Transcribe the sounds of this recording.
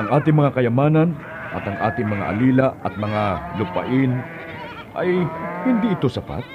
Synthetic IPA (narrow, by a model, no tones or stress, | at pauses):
ʔɐŋʔaːt̪ɪŋmɐŋakɐjɐmaːnɐn | ʔɐ̰t̪ɐŋʔa̰ːt̪ɪŋmɐŋa̰ʔɐ̰liːlɐɐt̪̚mɐŋalʊpɐ̰ʔɪn | ʔɐjhɪnd̪iʔɪt̪o̞sɐpa̰t̪̚